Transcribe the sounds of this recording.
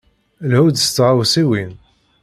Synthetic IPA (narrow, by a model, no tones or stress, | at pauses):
lhud̪st͡sːʁawsiwin